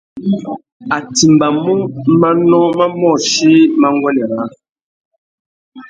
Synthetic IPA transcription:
a˨ti˨mba˨mu˦ŋma˦nɔ̃˦ma˦mɔ˦˨ʃi˦ma˦ŋ˦ɡwɛ˦nɛ˨ɾa˨˦

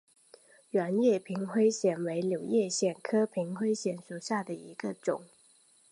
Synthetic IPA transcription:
a˧˥njɛ˥˩pʰi˧˥ŋxwe˥ɪɕjɛ˨˩nwe˧˥ɪljo˨˩ʊjɛ˥˧ɕjɛ˥˩nkʰɤ˥pʰi˧˥ŋxwe˥ɪɕjɛ˨˩nʂu˨˩ɕja˥˩d̪ə˩i˧˥ɡ̥ə˧ʈ͡ʂʊ̰˨˩˦ŋ

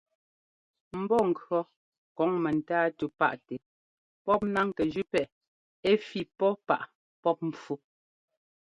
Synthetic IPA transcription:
m̩˨bɔ˦˨ŋ̩˨kɰɔ˦ | kɔ˨˦ŋmɛ˨n̩˨taː˦tu˨pa̰˦ʔtɛ˨ | pɔ˦p̚na˦ŋkɛ˨d͡ʒʉ˦pɛ˦˨ | e˦fi˦˨pɔ˦pa̰˦˨ʔ | pɔ˦p̚m̩˨p͡fu˦

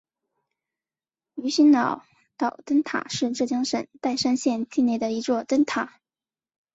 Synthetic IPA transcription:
y˧˥ɕi˥nnɑ˨˩ʊ | t̪ɑ˨˩ʊt̪ə˥nt̪ʰa̰˨˩˦ʂɻ̩˥˧ʈ͡ʂɤ˥˩t͡ɕjɑ˥ŋʂə˨˩nt̪a˥˩ɪʂa˥nɕjɛ˥˧nt͡ɕi˥˧ne˥˩ɪd̪ə˩i˧˥t͡swɔ˥˧t̪ə˥nt̪ʰa˨˩˦

